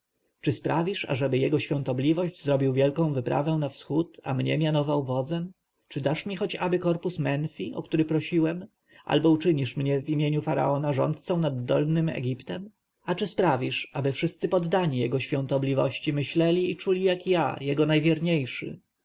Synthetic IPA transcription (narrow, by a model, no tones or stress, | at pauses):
t͡ʂɘspɾavʲiʂa̰ʐɛbɘjɛɡɔɕfʲjɔ̃nt̪ɔblʲivɔʑd͡ʑzɾɔbʲiwvʲjɛlkɔ̃w̃vɘpɾʔa̰vɛ̃w̃nafsxut̪a̰mɲɛ̰mʲjanɔvawvɔd̪zɛm | t͡ʂɘd̪aʂmʲixɔt͡ɕabɘkɔɾpusmɛnfʲiʔɔ̰kt̪uɾɘpɾɔɕiwɛm | ʔa̰lbɔut͡ʂɘɲiʂmɲɛvimʲjeɲufaɾa̰ɔnaʐɔ̰nt̪̚t̪sɔ̃w̃nad̪ːɔlnɘmɛ̰ɡʲipt̪ɛm | at͡ʂɘspɾavʲiʂabɘfʂɘst̪sɘpɔd̪ːaɲijɛɡɔɕfʲjɔ̃nt̪ɔblʲivɔ̰ɕt͡ɕimɘɕlɛlʲiːt͡ʂulʲijakja̰jɛɡɔnajvʲjɛɾɲejʂɘ̰